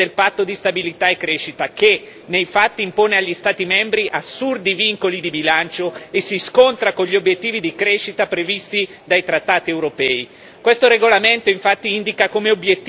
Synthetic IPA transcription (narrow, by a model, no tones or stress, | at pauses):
elpat̪ːod̪ist̪abilit̪aekːɾeːʃit̪ake | nejfat̪ːiːmpoːneaʎːist̪aːt̪imɛmbɾiʔasːurd̪iviŋkolid̪ibilant͡ʃoesːiskont̪ɾakoɲʎiobjet̪ːiːvid̪ikɾeʃit̪apɾevist̪i | d̪ajt̪ɾat̪ːaːt̪iewɾopɛːi | kwest̪oɾeɡolament̪oiɱfat̪ːiind̪ikakomeobjet̪ː